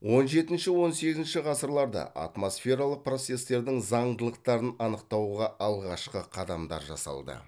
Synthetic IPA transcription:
wo̞nʒe̞t̪ɪnʃɪwo̞nse̞ɡʲɪzɪnʃɪʁɑsəɾlˠɑɾd̪ɑ̰ʔɑ̰t̪mo̞sfʲe̞ɾɑlˠəq̚pro̞t̪se̞st̪e̞ɾd̪ɪŋzɑɴd̪əlˠəqt̪ɑɾənɑnəqt̪ɑwʁɑɑlˠʁɑʃqəqʰɑd̪ɑmd̪ɑ̰ɾʒɑ̰sɑ̰lˠd̪ə̰

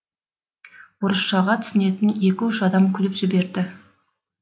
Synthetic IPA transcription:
woɾəsʃɑʁɑt̪ʰʏ̥sɪne̞t̪ɪnje̞kʲɪʏʃɑd̪ɑmkʲʰʏlɪpʒɪbe̞ɾd̪ɪ

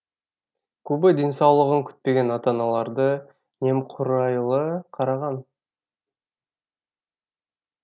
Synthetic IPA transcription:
kʲʰɵbɪd̪e̞nsɑwlˠəʁəŋkʲʰʏ̥t̪̚pe̞ɡʲe̞nɑt̪ɑnɑlˠɑɾd̪ə | ne̞mqʰʊɾɑjlˠəqʰɑɾɑʁɑn

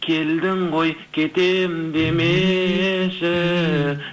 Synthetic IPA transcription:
kʲʰe̞ld̪ɪmʁo̞jkʲʰe̞t̪e̞mɪd̪e̞me | ʃɪ

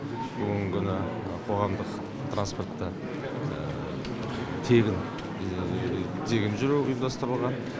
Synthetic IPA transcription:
bʊɡəŋkʲʰʏnɪ | qʰo̞ʁɑmd̪əq | t̪ʰrʔanspo̞rt̪ːə | t̪ʰe̞ɡʲɪn | d̪eɡʲɪmʒʏɾuʊ̰jəmd̪ɑst̪əɾəlˠʁɑn

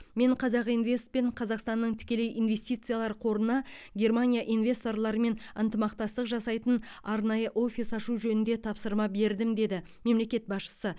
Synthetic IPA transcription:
me̞ɴqʰɑzɑqijnvʲe̞st̪̚pe̞ɴqʰɑzɑqst̪ɑnːəɴt̪ʰɪ̥kʲe̞le̞jinve̞st̪ijt̪sɨjalˠɑɾəqʰo̞ɾənɑɡʲe̞rmanʲijaʔinvʲe̞st̪o̞rlˠɑɾəme̞nənt̪əmɑqt̪ɑst̪əqʒɑsɑjt̪ən | ɑɾnɑjəʔo̞fʲisɑʃuʒɵnɪnd̪e̞t̪ʰɑpsəɾmɑbe̞ɾd̪ɪmd̪e̞d̪ɪ | me̞mle̞kʲe̞t̪̚bɑsʃə̥sə

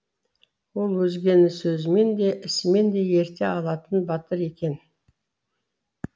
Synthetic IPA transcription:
wo̞lˠwɵzɡʲe̞nɪsɵzɪme̞nd̪e̞ʔɪsɪme̞nd̪e̞je̞ɾt̪e̞ɑlˠɑt̪ənbɑt̪əɾe̞kʲe̞n

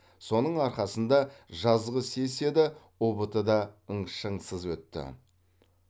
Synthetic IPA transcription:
so̞nəɴɑɾχɑsənd̪ɑʒɑzʁəse̞se̞d̪ɪ | obət̪əd̪ɑəɴʃəɴsəzwɵt̪ːɪ̰

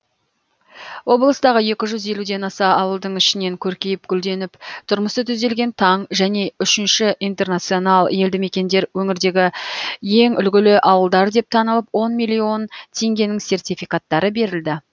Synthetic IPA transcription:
wo̞blˠəst̪ɑʁəje̞kʲɪʒʏze̞lud̪e̞nɑsɑɑwəlˠd̪əɴɪʃɪne̞ŋkʲʰɵɾkʲe̞jɪp̚ɡʲʏld̪e̞nɪpt̪ʰʊɾməst̪ət̪ʰʏzd̪e̞lɡʲe̞nt̪ʰɑɴʒæne̞ʏʃɪnʃɪʔijnt̪e̞rnat̪sɨio̞nɑlˠje̞ld̪ɪme̞kʲe̞nd̪e̞ɾwɵŋɪɾd̪e̞ɡʲɪje̞ŋʏlɡʲɪlɪʔɑwəlˠd̪ɑɾd̪e̞p̚t̪ʰɑnəlˠəpwo̞nmijlʲio̞nt̪ʰe̞ŋɡʲe̞nɪŋse̞rt̪ʲijfijkat̪ːɑɾəbe̞ɾɪld̪ɪ

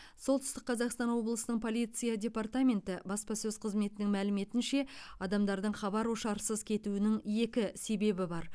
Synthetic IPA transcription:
so̞lˠt̪ʏ̥st̪ɪqːʰɑzɑqst̪ɑnwo̞blˠəsənəɴpʰo̞lʲˠijt̪sɨjadʲe̞part̪amʲe̞nt̪ɪbɑspɑsɵz̥qʰəzme̞t̪ɪnɪŋmælɪme̞t̪ɪnʃe̞ɑd̪ɑmd̪ɑɾd̪əɴχɑbɑɾoʃɑɾsəzkʲʰe̞t̪uɪnɪŋje̞kʲɪse̞be̞bɪbɑɾ

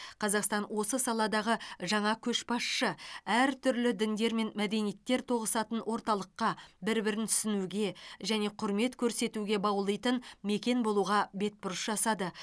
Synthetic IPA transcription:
qʰɑzɑqst̪ɑnwo̞səsɑlˠɑd̪ɑʁəʒɑɴɑkʲʰɵʃbɑsʃəæɾt̪ʰʏɾlɪd̪ɪnd̪e̞ɾme̞nmæd̪e̞nijet̪ːe̞ɾt̪ʰo̞ʁəsɑt̪ənwʔo̞ɾt̪ɑlˠəqːɑbɪɾbɪɾɪnt̪ʰʏ̥sɪnuɡʲe̞ʒæne̞qʰʊɾme̞t̪kʲʰɵɾse̞t̪uɡʲe̞bɑwlˠijt̪ənme̞kʲe̞nbo̞lˠuʁɑbe̞t̪̚bʊɾəsʒɑsɑd̪ə

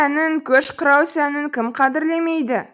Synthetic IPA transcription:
ænɪŋkʲʰɵʃqəɾɑwsænɪŋkʲɪmqʰɑd̪ɪɾle̞me̞jd̪ɪ

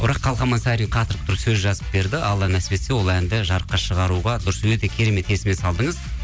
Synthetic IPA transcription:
bʊɾɑqʰːɑlˠχɑmɑnsæɾijɴqʰɑt̪əɾəq̚t̪ʰʊɾəsɵzʒɑzəp̚be̞ɾd̪ɪʔɑlˠːɑnæsbe̞t̪sewo̞lˠænd̪ɪʒɑɾəqːɑʃəʁɑɾuʁɑd̪ʊɾəswɵt̪e̞kʲʰe̞ɾe̞me̞t̪e̞sɪme̞sɑlˠd̪əɴəz

